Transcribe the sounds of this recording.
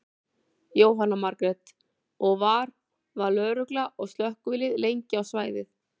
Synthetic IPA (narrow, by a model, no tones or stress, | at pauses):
joːwɦanːamaɾkɾɛt̪ | ɔɣvaɾ | vaɾlœːɾʏklaʔɔɣst̪lœhkʏvɪlɪðlejɲcɪawsvaːjðɪθ